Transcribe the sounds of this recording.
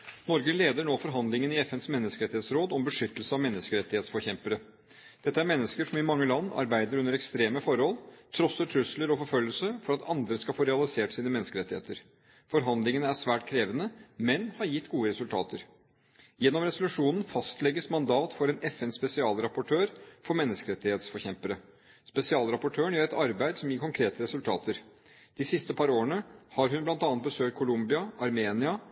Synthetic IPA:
nɔɾɡəleːd̪əɳoːfɔɾɦɑnd̪lɪŋənɪɛfɛnsmɛnːəskəɾɛt̪ːɪheːt̪sɾoːd̪ɔmbəʂʏt̪ːəlsəɑʋmɛnːəskəɾɛt̪ːɪheːt̪sfɔçɛmpəə | d̪̥ɛt̪ːəæɾmɛnːəskəʂɔmɪmɑŋːəlɑnːɑ̰ɾbæɪd̪əɾʉnəɾɛkst̪ɾeːməfɔɾhɔlt̪ʰɾɔsːəʈʰɾʉsləɾɔfɔɾfœlːəlsəfɔɾɑt̪ʰɑnd̪ɾəskɑfoːɾɛɑlɪseːʈsiːnəmɛnəskəɾɛt̪ːɪhḛːt̪əɾ | fɔɾɦɑnd̪lɪŋənəæʂʋæːʈkʰɾeːʋənəmɛnhɑɾjɪt̪ːɡuːəɾɛsʉlt̪ʰɑ̰ːt̪ʰəɾ | jɛnːɔmɾɛsʊlʉʂuːnn̩fɑst̪lɛɡəsmɑnd̪ɑːt̪fɔɾɛnʔɛfɛnspɛsɪɑːlɾɑpʊʈʰøːɾfɔɾmɛnːəskəɾɛt̪ːɪheːt̪sfɔɾçɛmpəɾə | spɛsɪɑːlɾɑpʊʈʰøːəɳjøːɾɛt̪ɑɾbæɪd̪sɔmjiːɾkʰɔŋkʰɾeːt̪əɾɛsʉlt̪ʰɑːt̪ʰəɾ | d̪̥ɪsɪst̪əpʰɑɾoːəɳəhɑɾɦʉnblɑnt̪ɑnət̪bəsøːkt̪̚kʰʊlʊmbɪɑɑɾmeːnɪɑ

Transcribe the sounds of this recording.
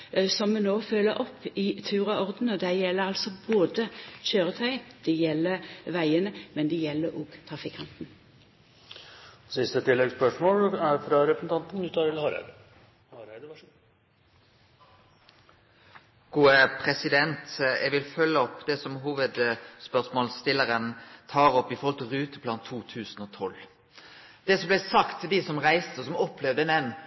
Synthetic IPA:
sɔmmɛnoːfølːəɾʔɔpːɪt̪ʰʉːʁɑɔʁd̪n̩ɔd̪æjɛlːəɾɑlsɔboːd̪əçøːɾət̪ʰœʏɪd̪̥ɛjɛlːəʋæɪənəmɛnd̪ɛjɛlːəɾɔːɡ̥t̪ʰʁɑfɪkʰɑnt̪n̩ | sɪst̪ət̪ʰɪlːɛɡspœʂmoːlæɾfɾɑɾɛpɾəsn̩t̪ɑnt̪n̩d̪ʉt̪ʰɑɾɪlhɑɾæ̰d̪ | hɑɾæɪd̪əɑ | ɡ̥uːəpʰʁɛsɪd̪ɛnt̪ɛ̰ɡʋɪlfœlːəɔpːd̪ɛsɔmɦuːʋəd̪spœʁsmoːlst̪ɪlːəʁənt̪ʰɑːʁɔpːɪfɔɾʁhɔlt̪ʰɪlʁʉːt̪əpʰlɑnt̪ʰːuːt̪ʰʉːsn̩oːt̪ʰɔl | d̪̥ɛːsɔmblæsɑkt̪ʰd̪isɔmʁæɪst̪əsɔmɔpʰlɛʋd̪əɛnɛnː

